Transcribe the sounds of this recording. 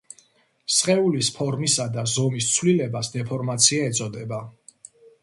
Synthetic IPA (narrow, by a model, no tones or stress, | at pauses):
sqʼɛulispʰɔɾmisad̪azɔmist̪sʰwlilɛbasd̪ɛpʰɔɾmat̪sʰiaɛt̪sʼɔd̪ɛba